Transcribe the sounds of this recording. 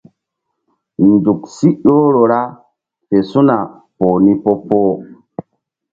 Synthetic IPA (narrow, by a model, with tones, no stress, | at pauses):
ndu˨ksi˦ɗo˦ɾo˨ɾa˦ | pe˨su˦na˨ | poː˨ni˦po˦poː˦